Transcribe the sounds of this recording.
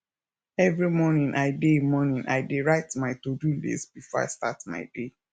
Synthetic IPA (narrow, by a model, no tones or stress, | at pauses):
ɛvɹimɔnĩnʔaɪdemɔnĩnʔa̰ɪdeɹaɪtmaɪtodulḭsbifɔa̰ɪsta̰tma̰ɪde